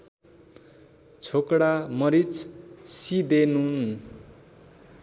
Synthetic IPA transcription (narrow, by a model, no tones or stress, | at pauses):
t͡sʰokɽamʌɾit͡ssid̪enun